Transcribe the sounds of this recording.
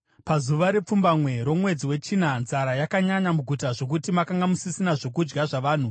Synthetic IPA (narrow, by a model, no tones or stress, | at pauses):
pazuʋaɾe̞p͡fumbamwe̞ɾo̞mwe̞d͡ziwe̞t͡ʃiːnanzaɾajakaɲaɲamuɡʱutaʐo̞k̬utimakaŋɡamusisinaʐo̞k̬ud͡ʒɡaʐaʋaːn̤u